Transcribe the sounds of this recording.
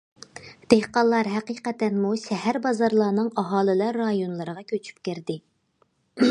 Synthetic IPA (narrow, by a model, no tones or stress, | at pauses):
d̪̥ehqɑlˠːɑɾɦæqiqɛt̪ɛnmuʃɛɦæɾbɑzɑɾlˠɑːnɨŋɑɦɑːlˠɨlˠɑɾːɑjonlˠɨɾəʁɑkʲʰøt͡ʃʰy̥p̚kʲeɾd̪ɪ